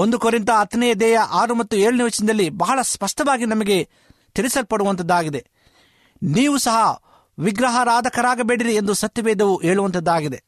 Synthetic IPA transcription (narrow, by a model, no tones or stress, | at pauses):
ond̪ukoɾint̪ɐɐt̪ɐnɛjɐd̪ɛːjɐʔaːɾumɐt̪ːueːɭɐniʋɐt͡ʃinɐd̪ɐlːibɐɦɐɭɐspɐʂʈɐʋaːɡinɐmɐɡe̞ | t̪iɾisɐlpɐɽuʋɐnt̪ɐd̪ːaːɡid̪e̞ | niːʋusɐɦɐ | ʋiɡɾɐɦɐɾaːd̪ʱɐkɐɾaːɡɐbeːɽiɾiend̪usɐt̪jɐʋɛːd̪ɐʋuʔeːɭuʋɐnt̪ɐd̪ːaːɡid̪e̞